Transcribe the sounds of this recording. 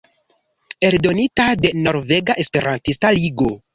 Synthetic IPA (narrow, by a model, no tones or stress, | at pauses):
e̞ɾdo̞nitade̞no̞ɾve̞ɡaʔespe̞ɾʔantistaliɡo